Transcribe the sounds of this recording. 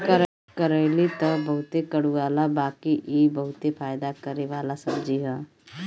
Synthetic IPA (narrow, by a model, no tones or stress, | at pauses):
kəɾ | kəɾɛːlit̪ɔbɐɦʊt̪ekəɽuaːlabaːkiʔibəɦʊt̪epʰaːjd̪akəɾeʋaːlasɐmd͡ʒiɦɛ̃ː